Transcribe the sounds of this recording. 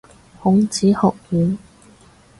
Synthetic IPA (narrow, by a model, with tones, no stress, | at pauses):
hʊ˨˥ŋt͡siː˨˥hɔ˨k̚jyː˨˧n